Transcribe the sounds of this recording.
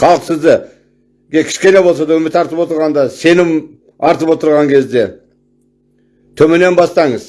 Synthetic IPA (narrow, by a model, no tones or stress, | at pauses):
qʰɑlˠəqsɪzd̪ɪ | ɡʲekʲʰɪ̥ʃkʲe̞ne̞bo̞lˠsɑd̪ɑwɵmɪt̪ʰɑɾt̪əpwo̞t̪əɾʁɑnd̪ɑse̞nɪm | ɑɾt̪əpwo̞t̪əɾʁɑŋkʲʰe̞zd̪e̞ | t̪ʰɵmene̞nbɑst̪ɑɴəz